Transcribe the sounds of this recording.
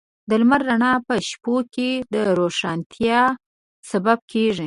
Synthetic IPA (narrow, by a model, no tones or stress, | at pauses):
d̪əlmaɾːaɳɑpəʃpoked̪əɾoʂɑnt̪ʰjɑ | sabab̚keʐi